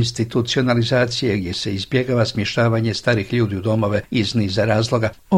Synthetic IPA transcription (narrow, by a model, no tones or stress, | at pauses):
nst̪it̪ut̪sio̞nalizaːt̪sijeɡd̪je̞se̞izbje̞ɡaʋasmjeʃt̪aːʋaːɲe̞st̪aːɾixʎuːd̪iud̪o̞mo̞ʋe̞izniːzaɾaːzlˠo̞ɡa | o